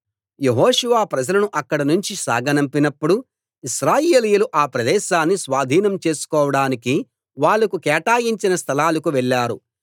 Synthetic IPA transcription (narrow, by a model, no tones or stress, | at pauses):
jeɦoːʃuʋaːpɾɐd͡ʒɐlɐnuʔɐkːɐɽɐnuɲt͡ʃisa̰ːɡɐnɐmpinɐpːuɽu | iʃɾaːjeːlijuluʔaːpɾɐd̪ɛːʃaːnːisʋaːd̪ʱiːnɐmt͡ʃe̞ːsu̥kɔːʋɐɽaːniki | ʋaːɭːɐkukɛːʈaːjiɲt͡ʃinɐst̪ʰɐlaːlɐkuʋɛɭːaːɾu